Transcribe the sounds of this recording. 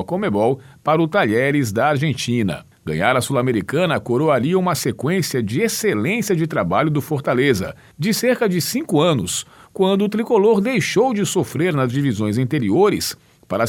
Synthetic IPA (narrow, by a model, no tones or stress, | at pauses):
kõmebɔwpaɾʊt̪aʎɛɾɪzd̪ɐaɾʒẽnt͡ʃĩnɐ̰ | ɡɐ̰̃ɲaɾɐsulameɾikɐ̃nɐkoɾoaliũmɐsekwẽsiɐd͡ʒɪeselẽsiɐd͡ʒɪt̪ɾabaʎʊd̪ʊfoɾt̪alezɐ̰ | d͡ʒɪseɾkɐd͡ʒɪsĩkʊɐ̃nʊskwɐ̃nd̪ʊːt̪ɾikoloɾd̪ejʃowd͡ʒɪsofɾeɾnɐzd͡ʒivizõj̃zɐ̃nt̪eɾioɾɪ̰s | paɾɐ